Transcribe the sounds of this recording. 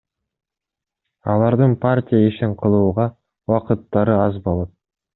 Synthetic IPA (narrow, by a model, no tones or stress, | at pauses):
ɑlˠɑɾd̪əɴpʰartʲijaeʃeɴqʰəlˠuːʁɑ | wɑqət̪ːɑɾəɑzbo̞lˠɑt̪̚